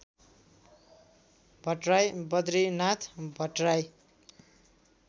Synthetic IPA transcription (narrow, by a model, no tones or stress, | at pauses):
bʱʌʈrajbʌd̪ɾinat̪ʰbʱʌʈraj